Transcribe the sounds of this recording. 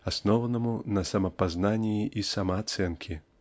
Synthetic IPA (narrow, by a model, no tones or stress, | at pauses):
asnɔwnɐmunɐsɐmɐpaznanʲiiʔisamɐːt̪sɛnkʲʰi